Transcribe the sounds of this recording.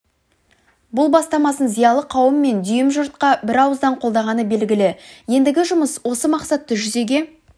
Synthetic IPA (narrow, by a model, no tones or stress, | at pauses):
bʊlˠbɑst̪ɑmɑsənzijɑlˠəqʰɑwəmːe̞nd̪ʏjɪmʒʊɾt̪̚qɑbɪɾɑwəzd̪ɑɴqʰold̪ɑʁɑnəbe̞lɡʲɪlɪje̞nd̪ɪɡʲɪʒʊməswo̞səmɑqsɑt̪ːəʒʏze̞ɡʲe̞